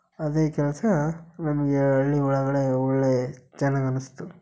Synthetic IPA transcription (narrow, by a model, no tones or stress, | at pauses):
ɐd̪eːkɛlɐsɐnɐmɐɡeɐɭːiuɭɐɡɐɭe̞ɔɭːet͡ʃɐnːaɡɐnust̪u